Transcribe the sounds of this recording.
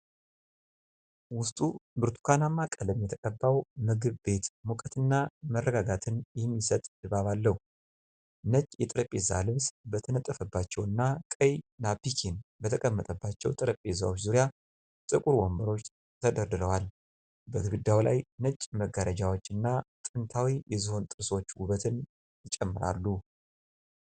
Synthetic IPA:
wʊst̪ʼubɨɾt̪ʰu̥kʰanamːakʼələmjɛt̪ʰəkʼəbːawmɨɡɨβbe̞t̪mukʼət̪ɨnːamərːəɡaɡat̪ʰɨnjɛmːisət̪ʼd̪ɨβaβalːəhu | nət͡ʃʼːjɛt̪ʼɨɾəpʼːeza̰lɨβsbət̪ʰənət̪ʼːəfəbːat͡ʃːɛwɨnːakʼəjnapikʰenbət̪ʰəkʼəmːət̪ʼəbːat͡ʃːɛwt̪ʼɨɾəpʼeza̰wo̞t͡ʃːzuɾija | t̪ʼɨkʼuɾwombəɾo̞t͡ʃː | t̪ʰəd̪əɾd̪ɨɾəwal | bəɡɨɡɨd̪ːawla̰jnət͡ʃʼːməɡəɾʔəd͡ʒawo̞t͡ʃːɨnːat̪ʼɨnt̪ʰawijɛzɨho̞nt̪ʼɨɾso̞t͡ʃːwuβət̪ʰɨn | jɪt͡ʃʼɛmːɨɾa̰lːu

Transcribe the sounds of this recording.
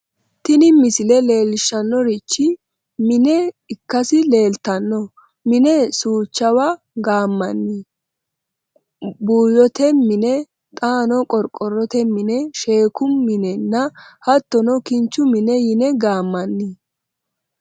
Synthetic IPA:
t̪ɪnɪmɪsɪlɛle̞ːlɪʃɐnːɔɾɪt͡ʃːɪ | mɪnɛɪkːɐsɪle̞ːlt̪ɐnːɔ | mɪnɛsuːt͡ʃːɐwa | ɡaːmːɐnːɪ | buːjɔt̪ɛmɪnɛ | t̪ʼaːnɔkʼɔɾkʼːɔrːɔt̪ɛmɪnɛʃe̞ːkʊːɪnɛnːɐhɐt̪ːɔnɔkɪnt͡ʃːʊmɪnɛjɪnɛɡaːmːɐnːɪ

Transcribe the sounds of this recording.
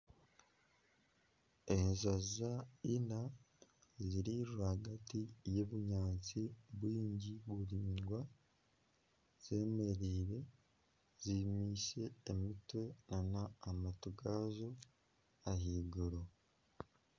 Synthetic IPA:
enzazaina | ziɾiɾuɾahaɡatijeβuɲaːnt͡siβwiːɲɟiβuɾiːŋɡwa | z̥e̞ːme̞ɾiːɾe̞ | z̥imiːʃe̞ːmitwe̞nanaːmatuɡazo̞ | aɦiɡuɾo

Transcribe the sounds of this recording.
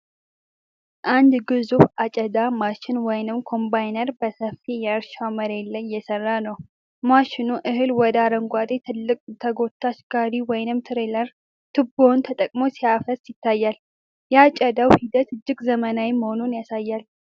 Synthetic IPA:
ʔand̪ɡɨzufat͡ʃʼəd̪amaʃɪnwɔjnɨmkʰo̞mbajnəɾbəsəfːijɛəɾʃaməɾelːəɲjɛsərːanəw | maʃɪnuʔɨɦɨlwɔd̪aɾəŋɡʷad̪et̪ʰɨlːɨkʼt̪ʰəɡo̞t̪ʰːaʃɡaɾiwɔjnɨmt̪ʰɨɾeləɾ | t̪ʰɨbo̞nt̪ʰət̪ʼəkʼmo̞siafəsjɪt̪ʰːajːal | jɛat͡ʃʼəd̪awhid̪ət̪ɨd͡ʒːɪɡzəmənawiməho̞nunjasajːal

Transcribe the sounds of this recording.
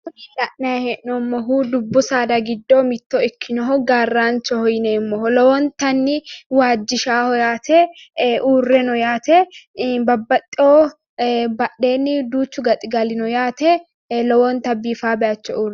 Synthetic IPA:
ilɐʔnɐjhɛʔnɔmːɔɦuːd̪ʊbːʊsaːd̪ɐɡɪd̪ːoːmɪt̪ːoɪkʰːɪnɔɦɔɡaːrːaːnt͡ʃɔhɔjɪnemːɔɦɔlɔwɔnt̪ɐnːɪwaːd͡ʒːɪʃaːhɔjaːt̪ʰɛʔuːrːɛnɔjaːt̪ɛbɐbːɐt̪ʼːɪo | bɐɗːe̞ːnːɪd̪uːt͡ʃːʊɡɐt̪ʼɪɡɐlɪnɔjaːt̪ɛ | lɔwɔnt̪ɐbːiːfaːbɛʔɐt͡ʃːɔuːrɛ

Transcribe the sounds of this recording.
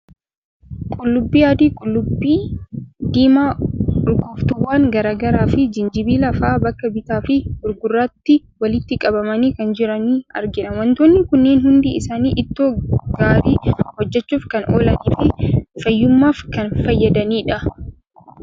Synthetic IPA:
kʼʊlːʊbːiːjaːd̪iːkʼʊlːʊbːiːd̪iːmaːʊɾɡoːft̪ʊwːaːŋɡɐɾaːɡɐɾaːfɪd͡ʒɪnd͡ʒɪbiːlɐfaːbɐkːɐbɪt̪aːfɪʊɾɡʊrːaːt̪ːɪ | wɐlɪt̪ːɪkʼɐbɐmɐniːkɐnd͡ʒɪɾɐniːɐ̰ɾɡɪᶑɐwɐnt̪oːnːɪkʊnːeːnhʊnd̪ḭːɪsaːniːʔɪt̪ːoːɡ̥aːɾiːhɔd͡ʒːɛt͡ʃːuːfkɐnʔoːlɐniːfɪfɐjːʊmːaːfkɐnfɐjːɐd̪ɐniːᶑɐ

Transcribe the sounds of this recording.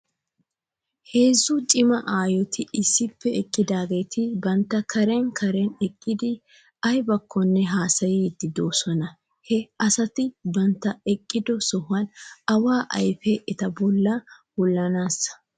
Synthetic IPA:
he̞ːzːʊt͡ʃʼɪmɐʔaːjɔt̪ʰɪʔɪsːɪpːɛɛkʼːɪd̪aːɡe̞ːt̪ʰɪbɐnt̪ːɐkʰɐɾɛnkʰɐɾɛnɛkʼːɪd̪ɪ | ɐjbɐkʰːɔnːɛɦaːsɐjid̪ːɪd̪oːsɔnɐ | hɛɐsɐt̪ɪbɐnt̪ːɐɛkʼːɪd̪ɔsɔhʊɐnɐwaːʔɐ̰jfɛʔɛt̪ɐbɔlːɐhʊlːɐnaːsɐ̥

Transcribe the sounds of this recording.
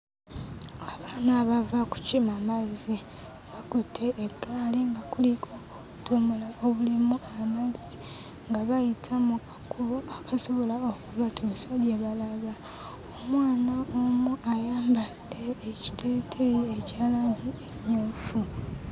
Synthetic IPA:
aβaːnaːβavaku̥cimamazi | bakotʰeʔːɡalimbakulikʰoku̥ | tomolaoβulimuamazi | ŋɡaβajitʰamukḁkʰuβoakaso̞βo̞laokuβatʰosaβjeβalaβa | omwaːnaomuʔajaːmbade̞ːci̥tʰeːtʰejecaːlaːɲɟiemoːfu

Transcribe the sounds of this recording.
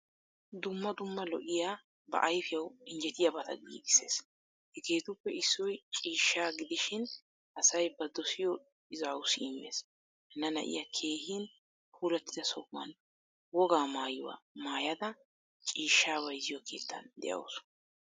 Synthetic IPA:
d̪ʊmːɐd̪ʊmːɐlɔʔɪja | bɐ̰ʔɐjfɪjɐwɪnd͡ʒɛt̪ɪjabɐt̪ɐ̰ɡḭːɡɪse̞̰ːs | hɛkeːt̪ʊpːɛɪsːɔjt͡ʃʼiːʃːaːɡɪd̪ɪʃɪn | ʔɐsɐjbɐd̪ɔsɪjɔ | ɪzaːwʊsɪɪmːḛːs | ɛnːɐnɐ̰ʔɪ̰jakʰe̞ːhɪn | huːlɐt̪ːɪd̪ɐsɔbːɐ̰n | wɔɡaːmaːjʊwɐ̰maːjɐd̪ɐ | t͡ʃʼiːʃːaːwɐjzɪjɔkʰe̞ːt̪ʰːɐ̰nd̪ɛ̰jɐ̰w̰sʊ̥

